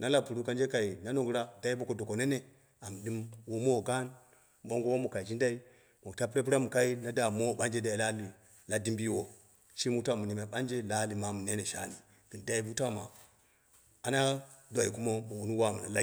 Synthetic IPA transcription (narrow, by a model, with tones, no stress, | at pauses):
na˦la˦pu˨ɾu˦ka˦nd͡ʒe˦ka˨i˨na˦no˦˨ɡɾa˦da˦i˦bo˦ko˨do˨ko˨ne˦ne˦ | a˨m˨di˦mwo˦mo˦˨ɡa˦n˦ | ɓo˦ŋɡo˦wo˦mu˨ka˨i˨d͡ʒi˦nda˦i˦ | mo˨ta˦p̬ɾe˦pi˦ɾa˦mu˨ka˦i˦na˦da˨mo˦˨ɓa˦nd͡ʒe˦da˨i˨la˦li˨ | la˦di˦mbi˦wo˨ | ʃi˦mu˦ta˦mu˨ni˨ma˨ɓa˦nd͡ʒe˦la˦li˨ma˨mu˨ne˦ne˨ʃa̰˦ni˨ | ɡ̥i˨n˨da˦i˦bu˦ta˦˨ma̰˨ | a˨na˦do˨i˨ku˦mo˦mo˨wu˨nu˦wa˦˨mu˨na˨la˦